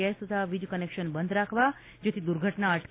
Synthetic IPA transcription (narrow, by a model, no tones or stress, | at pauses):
est̪ət̪ʰaʋid͡ʒkənekʃənbənd̪ɾakʰʋa | d͡ʒot̪ʰid̪uɾɡʱəʈnaəʈʰ